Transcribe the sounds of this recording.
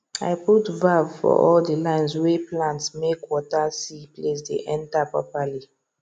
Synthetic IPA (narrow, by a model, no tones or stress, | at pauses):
a̰ɪputvavfɔ̰ʔɔldəlãɪ̃nzweplãntsmekwɔtasiples̬dḛʔɛ̃ntapɹɔpali